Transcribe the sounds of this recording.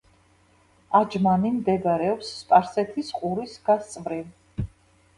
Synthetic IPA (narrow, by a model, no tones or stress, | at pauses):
ad͡ʒmanimd̪ɛɡaɾɛɔpsːpʼaɾsɛt̪ʰisqʼuɾisɡast̪sʼvɾiv